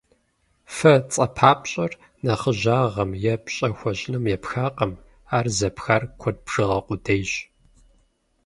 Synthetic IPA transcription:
fɐt͡sʼɐpʰaːpʼɕʼɐr | nɐχəʑaːʁɐmjɛpɕʼɐxʷɔɕʼnɨmjɛpxaːqɐm | aːrzɐpxarkʷʰɔd̚bʐ̥ɨʁɐqʷʊdejɕ

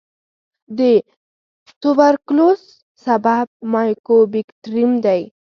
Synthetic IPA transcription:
d̪ə | t̪ʊbaɾklosː | abab̚mɑjkobiktɾimd̪aj

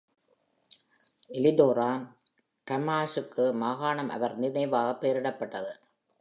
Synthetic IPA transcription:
ɛlɪdoːɾaː | kɐmaːsɯkːɯmaːɣaːɳɐmʔɐ̰ʋɐɾnɪnɐɪʋaːɣɐpːeːɾɪɽɐpːɐʈːɐðɯ

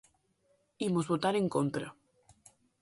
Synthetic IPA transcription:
imozβot̪aɾeŋkont̪ɾa

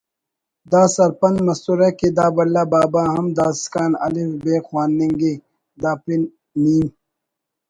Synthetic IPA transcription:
d̪aːsɐɾpɐnmɐst̪uɾeked̪aːbɐlːabaːbaːɦɐmd̪aːskaːnɐ̰lifbeːxwaːnːiŋɡe | d̪aːpinː | iːn

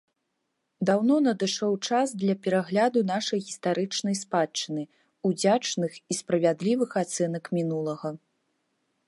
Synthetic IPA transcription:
d̪awnɔnɐd̪ɨʂɔwt͡ʂasd̪lʲɐpʲɛɾaɣlʲad̪unaʂɐjɣʲist̪aɾɨt͡ʂnɐjspat͡ʂːɨnɨ | ud͡zʲat͡ʂnɨxispɾɐvʲad̪lʲivɨxat̪sɛnɐkmʲinulˠɐɣɐ

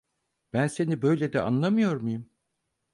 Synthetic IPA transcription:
b̥ænse̞nibø̞jlʲed̪ɛ̰ʔa̰nlˠamɯjo̞ɾmujum

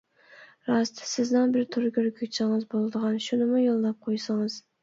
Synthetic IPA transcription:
ɾɑst̪sɪznɪnbɪɾt̪ʰʊɾɡʲøɾkʲʰykʲt͡ʃʰɪŋɨzbolˠd̪ɨʁɑnʃʊnɪmʊjolˠːɑp̚qʰojsɑŋɨz̥

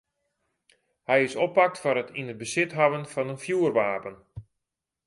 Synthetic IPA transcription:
hɛjɪsɔpak̚tfɔɾətʰinət̚bəsɪtɦaʋənfɑnənfjuərʋaːpən

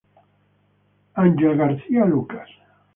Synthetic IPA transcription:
anʲd͡ʒelɣaɾθialukḁs

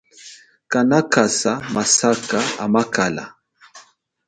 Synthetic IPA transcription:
kanakasamasakaamakala̰

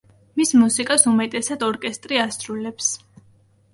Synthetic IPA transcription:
mismusikʼasumɛt̪ʼɛsad̪ɔɾkʼɛst̪ʼɾiasɾulɛps

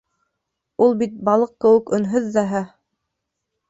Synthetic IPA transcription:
ulˠbit̪̚bɑlˠɤqkɘ̆wɘ̆kɵ̆nɦɵðːæɦæ

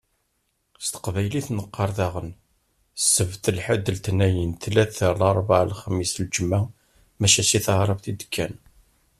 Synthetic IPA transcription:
st̪ə̥qvæjliθnəqːɑɾˤθɑʁən | sːəvt̪əlħəd̪əlt̪næjənt̪læθəɾlɑɾˤvʕlχəmːisld͡ʒəma | mæʃæt͡ʃiθəhɾˤəfθid̪ə̥kʰːæn

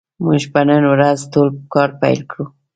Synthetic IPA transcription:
muʒpənənwɾazt̪olkɑɾpajlkɽu

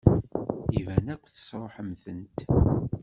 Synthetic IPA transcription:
ivænækʷːθə̥sɾˤoħəmθənt̪

